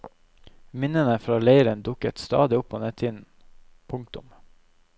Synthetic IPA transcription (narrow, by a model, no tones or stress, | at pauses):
mɪnənəfɾɑːleɪɾənd̪ʊkət̪st̪ɑ̰ːd̪ɪʊpʰːoːnət̪ʰɪd̪n̩ | pʰʊŋk̚t̪ʊm